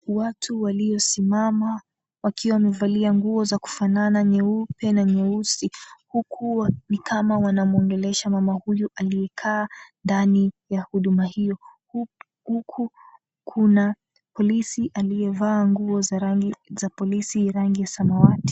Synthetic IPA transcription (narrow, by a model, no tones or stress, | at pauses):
watʰuwaliɔsimama | wakʰiwawamɛvaliaŋɡuɔzaku̥fananaɲɛupɛnaɲɛusihukʰuanikʰamawanamuɔŋɡɛlɛʃamamahujuʔalijɛkʰaːndanijahuɗumahijɔh | hukʰu | kʰuna | pɔlisiʔalijɛvaːŋɡuɔzaɾaŋɡizapɔlisiɾaŋɡijasamawati̥